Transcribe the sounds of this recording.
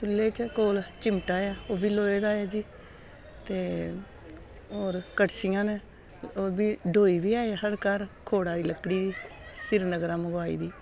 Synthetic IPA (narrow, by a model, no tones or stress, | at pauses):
t̪ʰʊlːeːt͡ʃkoːlt͡ʃɪmʈaːjaːoːbiːloːeːd̪aːjaːd͡ʒiː | t̪eː | oːɾkəʈsɪjãːneː | oːbiːɖʱoːiːbiːaːeɦəɾkəɾkʰoːɽaːd̪iːləkːɽiːd̪iː | sɪɾnəɡɾãːməɡwaːḭːd̪iː